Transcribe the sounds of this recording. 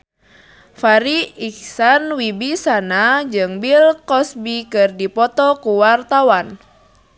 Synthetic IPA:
faɾiiksanwibisanad͡ʒɨŋbilkɔsbikɨrdipɔt̪ɔkuwart̪awan

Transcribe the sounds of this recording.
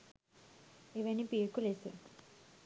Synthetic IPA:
iʋenipiːkːulesḛ

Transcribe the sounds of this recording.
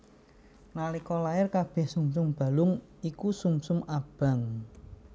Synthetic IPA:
nalikɔlaɪrkab̥ɛ̤hsumsʊmb̥a̤lʊŋ | ikusumsʊmab̥a̤ŋ

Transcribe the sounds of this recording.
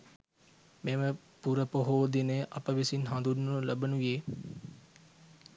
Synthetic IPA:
memə | puɾəpoɦoːd̪inəjʔɐpəʋisinɦãnd̪unːulɐbənujeː

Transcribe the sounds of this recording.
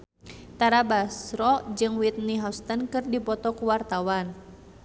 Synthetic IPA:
t̪aɾabasɾɔd͡ʒɨŋwit̪̚niɦawst̪ənkɨrdipɔt̪ɔkuwart̪awan

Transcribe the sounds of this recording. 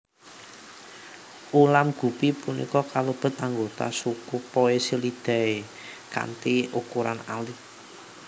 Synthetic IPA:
ʔulamɡ̥ṳpipunḭkɔkaləb̥ə̤t̪̚aŋɡot̪a̰sukupɔesəlid̪̥ɛ̤e | ka̰nt̪iʔukuɾanali

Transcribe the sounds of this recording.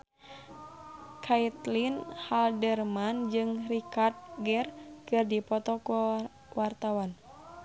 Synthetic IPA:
kʰait̪linhaldɛrmand͡ʒɨŋrikart̪̚ɡɛrkɨrdipɔt̪ɔku | wart̪awan

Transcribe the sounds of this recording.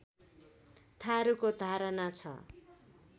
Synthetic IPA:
t̪ʰaɾukod̪ʱaɾʌnat͡sʰʌ̰

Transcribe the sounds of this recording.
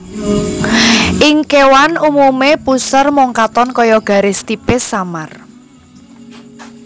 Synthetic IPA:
ʔɪŋkewanumumepusərmɔŋkat̪ɔnkɔjɔɡ̥a̤ɾest̪ipesamar

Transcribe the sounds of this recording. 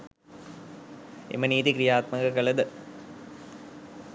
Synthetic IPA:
ḛmɐniːðikɾɪjaːt̪̚mɐɡɐkɐɭɐd̪ɯ

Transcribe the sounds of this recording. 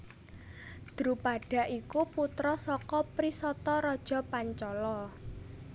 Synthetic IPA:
d̪̥əɾupaɖ̥a̤ʔikuput̪ɾɔsɔkɔpɾisɔt̪ɔɾɔd̥ʒ̥ɔ̤paɲt͡ʃɔlɔ

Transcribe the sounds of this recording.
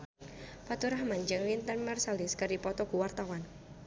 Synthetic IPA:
pat̪uɾahmand͡ʒɨŋlint̪ənmɛrsaliskaɾipɔt̪ɔɡ̥uwart̪awan

